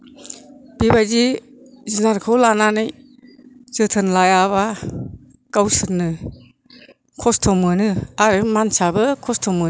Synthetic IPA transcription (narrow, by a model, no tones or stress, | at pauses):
b̥ibajzi | zinaɾkʰɯwlananɯj | z̥ɯtʰɯnlajaβa | kawsɯnɯ | kʰɔstʰɔmɯnɯaɾɯmansabɯkʰɔstʰɔmɯ